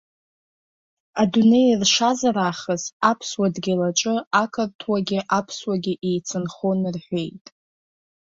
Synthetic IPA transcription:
adune̞jrʂazaɾaχəzapʰswadɡʲilat͡ʃʼɨakʰɨrtʰwaɡʲɪʔapʰswaɡʲɪʔejt͡sʰɨnχonrħʷe̞jtʼ

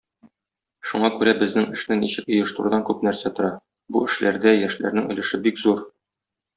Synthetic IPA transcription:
ʃuɴɑkʉɾæbɘ̆znɘŋɘ̆ʃnɘniɕɘkŏjɤ̆ʃt̪ŭɾd̪ɑŋkʉp̚næɾsæt̪ŏɾɑ | buɘ̆ʃlæɾd̪æjæʃlæ̰ɾnɘŋɵ̆lɘ̆ʃɘbikzuɾ

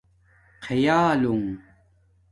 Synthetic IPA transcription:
qʰejaːlʊŋ

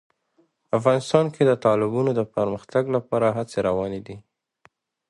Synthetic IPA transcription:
afɣɑnɪst̪ɑnkʰed̪ət̪ɑlɪbunod̪əpəɾməxt̪aɡlapɑɾaɦat͡seɾawɑned̪i

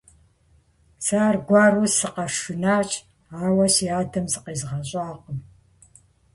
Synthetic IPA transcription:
saːrɡʷɑːrusɨqɐʂɨnaːt͡ʃʼ | aːwɐsiaːdɐmzɨqeːzʁɐɕʼaːqəm

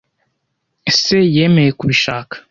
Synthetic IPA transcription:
esejeːmejekuβiʃaːkḁ

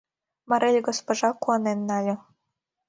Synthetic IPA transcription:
mɑɾelʲɡospŏʒɑkuɑnenːɑlʲɤ̆

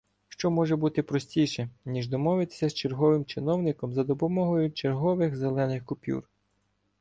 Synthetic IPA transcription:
ʃt͡ʃɔmɔʒɛbut̪ɪpɾɔsʲtʲijʃɛnʲiʒd̪ɔmɔʋɪt̪ɪ̥sʲɐst͡ʃerɦɔʋɪmt͡ʃɪnɔwnɪkɔmzɐd̪ɔpɔmɔɦɔjʊt͡ʃerɦɔʋɪxzelˠɛnɪxkʊpʲṵr

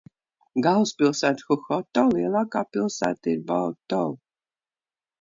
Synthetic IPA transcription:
ɡalspilˠsæːt̪xuxɔt̪ɔlˠiɛlˠaːkaːpilˠsæ̰ːt̪iɾbɔt̪ɔl

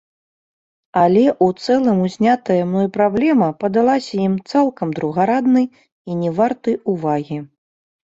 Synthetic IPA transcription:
alʲɛʔut̪sɛlˠɨmuzʲnʲat̪ɐjɐmnɔjpɾablʲɛmɐpɐd̪alˠasʲɐjimt̪salˠkɐmd̪ɾuɣaɾad̪nɨj | inʲɛvart̪ɨjuvaɣʲi

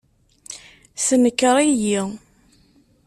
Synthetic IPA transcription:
sənəkːəɾˤiji

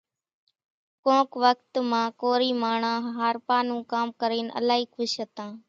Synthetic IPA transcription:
kõːkʋəkt̪mãːkoːɾiːmaːɳãːɦɦaːɾpaːnũːkaːmkəɾeːnə̰laːɦiːkʰʊʃɦət̪ãː

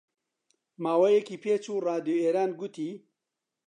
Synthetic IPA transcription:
maːwɐjekiːpʰeːt͡ʃuːraːd̪joeːɾaːnɡʊt̪ʰiː

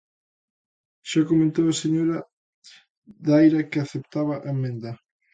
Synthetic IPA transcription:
ʃakomẽnt̪owɐseɲoɾɐ | ðajɾɐkɪaθep̚t̪aβɐʔemːẽnd̪ɐ

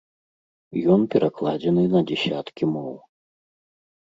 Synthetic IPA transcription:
jɔnpʲɛɾʔaklˠad͡zʲɛnɨnɐd͡zʲɛsʲat̪kʲimɔw

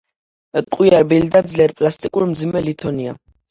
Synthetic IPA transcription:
t̪ʼqʼwiaɾbild̪ad̪zlɛɾpʼlast̪ʼikʼuɾmd̪zimɛlit̪ʰɔnia̰

